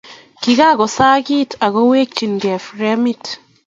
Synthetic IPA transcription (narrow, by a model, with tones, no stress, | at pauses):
ki˨ɡa˦ɡɔ˨sa˦ɡi˦tʰa˨ɡɔ˦weː˦k̚t͡ʃi˨nɡɛ˨fɾɛ˦mi˦t